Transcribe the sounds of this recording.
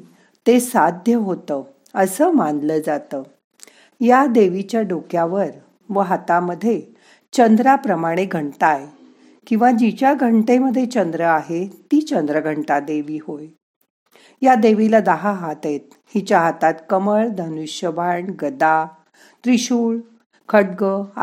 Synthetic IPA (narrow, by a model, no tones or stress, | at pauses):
t̪esad̪ʱjəɦot̪əː | əsəːmandləːd͡zat̪əː | jad̪eʋit͡ɕjaɖokjaʋəɾ | ʋəɦat̪aməd̪ʱːje | t͡ɕənd̪ɾapɾəmaɽ̃eɡʱəɳt̪aj | kĩw̃ʋad͡ʑit͡ɕjaɡʱəɳʈeməd̪ʱːjet͡ɕənd̪ɾəaɦet̪iːt͡ɕənd̪ɾəɡʱəɳʈad̪eʋiːhoj | jad̪eʋilad̪əɦaɦat̪et̪̚ | hit͡ɕjaɦat̪at̪kəməɭd̪ʱənuɕjəbʱaɳɡəd̪a | t̪ɾiɕuːɭ | kʰəɽɡə